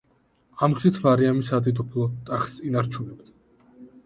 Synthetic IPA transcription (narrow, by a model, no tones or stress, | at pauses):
amɡzit̪ʰmaɾiamisad̪id̪ɔpʰlˠɔt̪ʼaχsinaɾt͡ʃʰunɛbt̪